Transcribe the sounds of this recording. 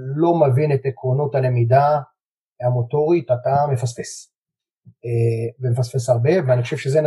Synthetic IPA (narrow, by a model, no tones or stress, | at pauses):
lo̞mevinetekʁonotalemida | hamo̞to̞ʁitatame̞fasfes | vemefasfesaʁbe̞veaniχo̞ʃevʃezen